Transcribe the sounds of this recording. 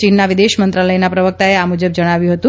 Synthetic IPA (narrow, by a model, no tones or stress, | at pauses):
t͡ʃinːaʋɪd̪eʃmənt̪ɾaləjnapɾəʋək̚t̪aeamud͡ʒəb̚d͡ʒəɽ̃aʋjũɦət̪ũ